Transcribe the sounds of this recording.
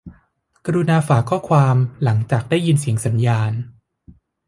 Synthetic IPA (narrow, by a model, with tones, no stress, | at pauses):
ka˧ɾu˧naː˧faː˩kʰɔː˥˩kʰwaː˧mla˩˦ŋt͡ɕaː˨˩k̚daː˥˩ji˧nsi˨˩˦əŋsa˩˦njaː˧n